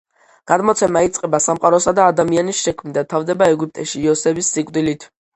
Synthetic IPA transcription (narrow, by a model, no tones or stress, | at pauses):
ɡ̥ad̪mɔt̪sʰɛmait̪sʼqʼɛbasamqʼaɾɔsad̪aːd̪amianisʃɛkʰmnid̪at̪ʰavd̪ɛbaɛɡup̚t̪ʼɛʃiːɔsɛbisːikʼwd̪ilit̪ʰ